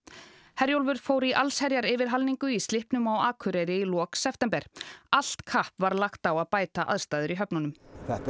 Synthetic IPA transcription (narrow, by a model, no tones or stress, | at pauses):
hɛɾjowlvʏɾ̥foːwɾiʔalshɛɾjaɾɪvɪɾ̥ɦalniŋkʏist̪lɪhpnʏmawaːkʰʏɾejɾɪilɔːksɛft̪ɛmpɛɾ̥al̥t̪kʰahpvaɾlaxt̪awaðpaːjt̪aʔa̰ðst̪aːðʏɾiɦœpnʏnʏmɛ